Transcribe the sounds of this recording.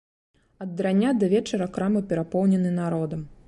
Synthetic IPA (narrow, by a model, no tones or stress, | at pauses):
ɐd̪ːɾanʲːad̪ɐvʲɛt͡ʂɐɾɐkɾamɨpʲɛɾapɔwnʲɛnɨnaɾɔd̪ɐm